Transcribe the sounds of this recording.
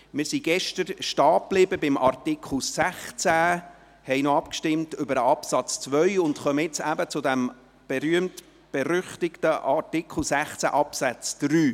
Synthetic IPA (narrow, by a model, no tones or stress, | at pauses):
mɪːɾsiɡɛʃtəɾʃtɑːplɪbəbɪmʔɑrtɪkʰχl̩sæχt͡sæ | hɛɪnoɑpkʃtɪmtʏbəɾəɑpsɑt͡st͡sʋœʏʊndχœməɪt͡sæbət͡sʊdɛm | b̥ɛɾyəmt | b̥ɛɾʏχtɪktəʔɑtɪkʰχl̩ˠsæχt͡sæ̰ʔɑpsæt͡sd̥ɾyː